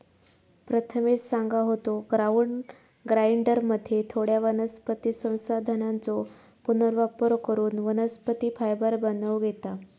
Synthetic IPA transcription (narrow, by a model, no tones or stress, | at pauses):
pɾət̪ʰəmet͡ssaŋɡaɦot̪oɡɾauɳɖ | ɡɾaiɳɖəɾməd̪ʱːjet̪ʰoɽjaʋənəspət̪isə̃w̃sad̪ʱənant͡so | punəɾʋapɾokəɾuːnʋənəspət̪iːfajbəɾbənəʋɡʱet̪a